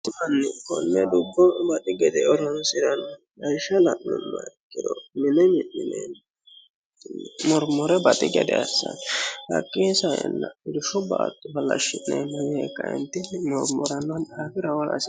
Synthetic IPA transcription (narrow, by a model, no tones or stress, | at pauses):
ɐnːɪkɔnːɛd̪ʊbːɔbɐt̪ʼɪɡɛd̪ɛɔɾɔnsɪɾɐn | ɐjʃːɐlɐʔːʊnːɐ̰ɛkʼːɪd̪ɔmɪnɛmɪɪnɛn | nːɛmɔɾmɔɾɛbɐt̪ʼɪɡɛd̪ɛɐsːɐ̰nhɐ̰kʼːiːsɐjɛ̰nːɐɪd̪ʊʃʊbaːt̪ʼːʊfɐlɐ̰ʃːɪnnɛnɐmɪhekːɐɪ̰nt̪ːɪnːmɔɾmɔɾɐnːɐnakɪɾɐwɔlɐ̰s